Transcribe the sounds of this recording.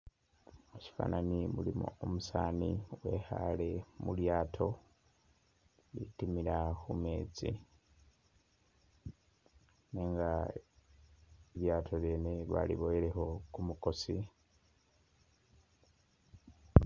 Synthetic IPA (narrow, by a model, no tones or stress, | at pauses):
oci̥fa̰nanimulimṵomusaːniwe̞ːha̰le̞muljaːtʰo̞ | litimiɾaxumeːd͡zḭ | neːŋɡa | eβjaːtʰo̞βeːneβa̰lḭβo̞jeɾe̞ho̞kumuko̞si